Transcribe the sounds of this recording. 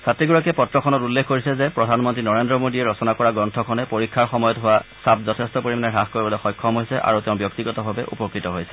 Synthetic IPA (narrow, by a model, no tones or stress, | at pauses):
satɹiɡɔɹakɛpɔtɹɔkʰɔnɔtulːekʰkoɹisɛzɛpɹɔdʱanmɔntɹinɔɹendɹɔmodiɛɹɔsɔnakɔɹaɡɹɔntʰɔkʰɔnɛpoɹikʰːaɹxɔmɔjɔtɦʊwasap̚zɔtʰestɔpoɹimanɛɦaxkoɹibɔlɔxɔjkʰːɔmɦojsɛʔa̰ɹuteʊ̃bjɔk̚tiɡɔtɔbʱabɛ̰ʔṵpɔkɹitɔɦojsɛ̥